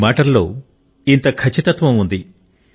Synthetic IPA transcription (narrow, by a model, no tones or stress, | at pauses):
maːʈɐɾlo̞̰ː | int̪ɐkʰɐt͡ʃːit̪ɐt̪ʋɐ̃mund̪i